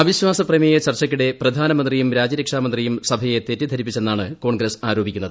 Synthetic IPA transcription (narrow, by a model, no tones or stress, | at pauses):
ɐbiɕwaːsɐprɐmijɐt͡ɕɐrt͡ɕːɐk̬ʲːuɽe̞prɐd̪ʱaːnɐmɐnd̪rijumɾaːd͡ʑɐɾekʂaːmɐnd̪rijumsɐbʱɐje̞t̪etːid̪ʱɐɾipːit͡ɕːe̞nːaːɳɨko̞ːɳɡɾɐsaːɾo̞ːbʱikʲːunːɐðɨ